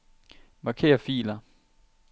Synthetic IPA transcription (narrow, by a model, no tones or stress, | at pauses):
mɑ̈kʰe̝̰ːɐfḭːlɐ